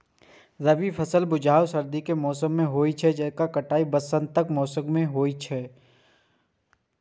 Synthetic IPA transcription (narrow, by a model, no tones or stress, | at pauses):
ɾɐʋipʰɐsəlbʊd͡ʒʱaːwsɐɾd̪ikemɔːsəmːẽɦoːit͡ʃʰɛd͡ʒɛːkakɐʈaːibɐsə̃nd̪̚t̪ɐkmɔːsə̃ɡmẽɦoːit͡ʃʰɛː